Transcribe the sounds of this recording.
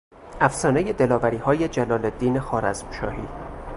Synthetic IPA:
ʔæfsɒːneje̞d̪e̞lɒːvæɾiːhɒːjed͡ʒælɒːled̪iːnexɒːɾæzmʃɒ̰ːhḭː

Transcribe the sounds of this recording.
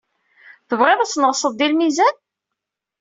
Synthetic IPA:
θəvʁeðˤæt͡sːnəʁsˤəðd̪ilmizæn

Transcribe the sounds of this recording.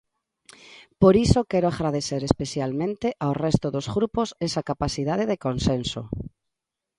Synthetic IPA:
poɾisokɛɾoaɣɾaðeθeɾespeθjalmẽnt̪eʔawrɛst̪oðozɣɾuposɛsakapaθiðað̞eðekonsenso̰

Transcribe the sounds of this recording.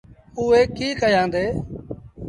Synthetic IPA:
uːeːkiːkəjãːnd̪eː

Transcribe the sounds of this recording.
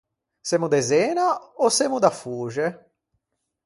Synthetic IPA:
semud̪ezenaosemud̪afuʒe

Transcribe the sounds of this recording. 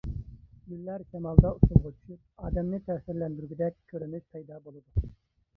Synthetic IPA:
ɡʲylːæɾkʲʰɛmɑlˠd̪ɑut̪ʰulˠʁʊt͡ʃʰy̥ʃup̚ɑːd̪ɛmnɪt̪ʰɛːsɪɾlɛnd̪yɾɡʲyd̪ɛkʲkʲʰːøɾymyʃpʰɑjd̪ɑbolˠɨd̪u

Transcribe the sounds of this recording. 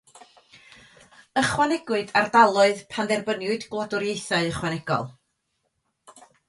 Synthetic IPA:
əχwanɛɡwɨdardalˠʊɨðpʰandɛrbənjʊɨdɡlˠɔdʊɾjejθaɨəχwanɛɡ̥ɔ̰lˠ

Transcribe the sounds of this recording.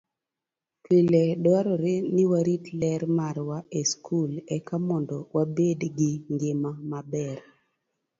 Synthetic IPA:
kiledwaɾɔɾɪnɪwaɾitlɛɾmaɾwaeskʰulɛkamɔndɔwabedɡɪŋɡɪmamabɛr

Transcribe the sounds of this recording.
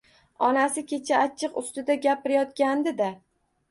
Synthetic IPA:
ɒnasɪkʲʰe̞t͡ʃʰaat͡ʃʰːɨqʊst̪ɪd̪aɡʲapɪɾɪjɒt̪̚kʲand̪ɪd̪a

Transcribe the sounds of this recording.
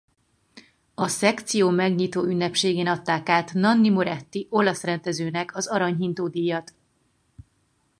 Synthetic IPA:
ɒsɛkt̪sijoːmɛɡɲit̪oːynːɛpʃeːɡeːnɒt̪ːaːkaːt̪nɒnːimoɾɛt̪ːiʔo̞lɒsrɛnd̪ɛzøːnɛkʰɒzɒɾɒɲɦint̪oːd̪ijːɒt̪

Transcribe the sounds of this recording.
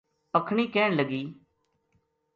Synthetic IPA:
pəkʰɳ̃iːkɛːɳləɡiː

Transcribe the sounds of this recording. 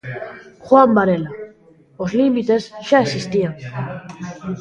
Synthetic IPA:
xwambaɾela | ozlimit̪esʃaesist̪iaŋ

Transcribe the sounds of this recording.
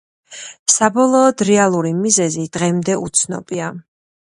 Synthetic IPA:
sabɔlˠɔːd̪ɾɛalˠuɾimizɛzid̪̥ʁɛmd̪ɛut̪sʰnɔ̰bʼia

